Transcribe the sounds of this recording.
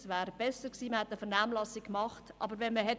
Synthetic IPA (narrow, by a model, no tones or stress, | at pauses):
svæːɾb̥ɛsəɾksiːməhætəfəɾnaːmlɑsikmɑχtʔɑ̰bəɾʋɛnməɦɛ